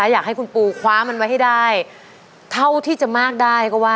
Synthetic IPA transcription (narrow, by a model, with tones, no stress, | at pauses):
aː˧˥jaː˨˩k̚ha˥˩jkʰu˧npuː˧kʰwaː˦˥ma˧nwa˦˥jha˥˩jdaː˥˩j | t̪ʰa˥˩wt̪ʰiː˥˩t͡ɕa˨˩maː˥˩k̚daː˥˩jkɔ˥˩waː˥˩